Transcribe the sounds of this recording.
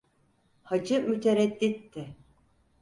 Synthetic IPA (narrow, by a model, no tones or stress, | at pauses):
had͡ʒɯmyt̪ʰeɾɛd̪ːit̪ːɪ